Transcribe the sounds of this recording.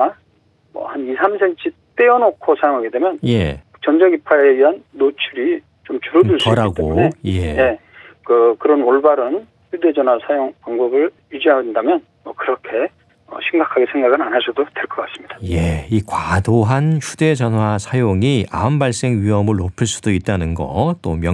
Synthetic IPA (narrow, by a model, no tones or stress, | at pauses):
a | mʌ̰hanisʰamsʰent͡ɕʰit͈eʌnokʰosʰajoŋɦaɡedwe̞mjʌnje̞ | t͡ɕʌnd͡ʑʌɡipʰaeɡiɦanːot͡ɕʰuɾi | t͡ɕomt͡ɕuɾʌduɭs͈ʌɾaɡ͈eonejeje̞ | kɯkɯɾʌnoɭbaɾɯn | jude̞d͡ʑʌnwasʰajoŋpaŋbʌbɯɭ | jid͡ʑiɦaendamjʌn | ʌkɯɾʌkʰe̞ | ʌ̰ɕʰimɡakʰaɡesʰe̞ŋɡaɡɯnanɦasʰudodwe̞ɭk͈ʌk͈as͈ɯmɲid̥ḁje̞ikwadoɦançude̞d͡ʑʌnɦwasʰajoŋiʔa̰mbaɭs͈e̞ŋɥiɦʌmɯɭːopʰɯɭs͈u̥d̥oit̚t͈anɯnɡʌ̰t͈omjʌ